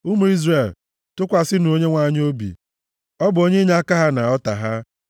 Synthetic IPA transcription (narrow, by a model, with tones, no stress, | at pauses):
u˦mu˨˦i˦zre˨l | tʊ˦kʷa˨sɪ˦n˨o˦ɲe˦ŋʷa˦˨ɲ˦o˦bḭ˨ | ɔ˦bʊ˨o˦ɲe˦ɲ˦a˦ka˦ɦa˦na˨ɔ˦ta˨ɦa˦